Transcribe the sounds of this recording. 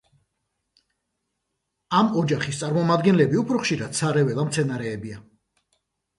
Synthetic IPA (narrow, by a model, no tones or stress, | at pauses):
amɔd͡ʒaχist̪sʼaɾmɔmad̪ɡɛnlɛbiupʰɾɔχʃiɾad̪̥saɾɛvɛlˠamt̪sʰɛnaɾɛːbia